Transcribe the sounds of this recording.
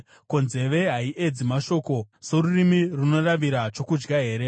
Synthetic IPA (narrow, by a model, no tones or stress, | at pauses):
ko̞nze̞ʋe̞ɦaiʔed͡zimaʃo̞ːko̞se̞ɾurimiruno̞raʋiɾat͡ʃo̞kud͡ʒɡaɦe̞ːɾe̞